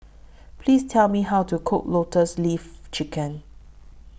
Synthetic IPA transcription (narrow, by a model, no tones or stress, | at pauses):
pʰlistʰɛlmihawtukʰok̚lotəslift͡ʃikə̃n